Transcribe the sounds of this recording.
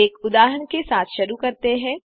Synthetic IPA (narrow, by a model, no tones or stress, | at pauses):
eːkʊd̪aːɦənkesaːt̪ʰʃɐɾukɐɾt̪eɦɛ̃ː